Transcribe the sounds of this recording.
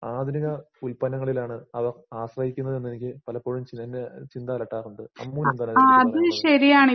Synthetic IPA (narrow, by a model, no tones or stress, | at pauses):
aːd̪iniɣɐulpɐnɐŋːɐɭilaːɳɨɐʋɐraːɕrɐhikʲːunːɐðe̞nːenikʲːɨpɐlɐpːoɻumt͡ɕienːet͡ɕind̪aːlɐʈːaːɣuɳɖɨɐ̰mːuːnɐmt̪ɐnːaːɐðɨɕɐɾijaːɳ